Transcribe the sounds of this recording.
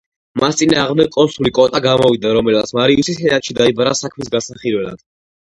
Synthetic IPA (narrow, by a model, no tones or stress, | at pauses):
mast̪sʼinaːʁmd̪ɛɡ̚kʼɔnsulikʼɔt̪ʼaɡamɔvid̪aɾɔmɛlat̪sʰmaɾiusishɛɾat̪ʃid̪aibaɾasakʰmisɡasaχiɾvɛla̰d̪̥